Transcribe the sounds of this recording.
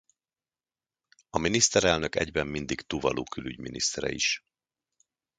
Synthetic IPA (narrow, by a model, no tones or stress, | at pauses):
ɒminist̪ɛɾɛlnø̞kɛɟbɛmːind̪ikt̪uvɒlʔoːkylyɟminist̪ɛɾɛ̰iʃ